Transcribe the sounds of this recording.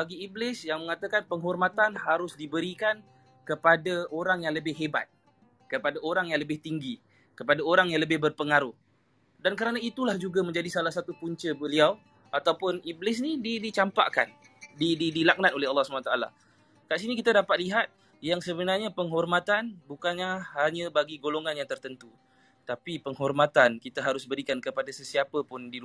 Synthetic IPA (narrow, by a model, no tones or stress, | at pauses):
baɡiiblɪsjaŋmə̃ŋat̪akanpəŋɦɔrmat̪anɦaɾʊsdibəɾikan | kəpadaoɾaŋjaŋləbɪhɦeba̰t̪̚ | kəpadaoɾaŋjaŋləbɪht̪iŋɡi | kəpadaoɾaŋjaŋləbɪhbərpəŋaɾʊh | dankəɾanait̪ulahd͡ʒuɡaməɲd͡ʒadisalahsat̪upuɲt͡ʃəbəliaw | at̪awpʊniblɪs̬nididit͡ʃampa̰ʔka̰n | dididilak̚nãt̪̚olɛɦɑlːɑhsumanat̪aʔala̰ | kaʔs̬inikit̪adapat̪̚liɦat̪̚ | jaŋsəbənarɲapəŋɦɔrmat̪anbukanɲaɦaɲəbaɡiɡoloŋanjaŋt̪ərt̪ənt̪u | t̪apipəŋɦɔrmat̪ankit̪aɦaɾʊsbəɾikankəpadasəsiapəpʊndi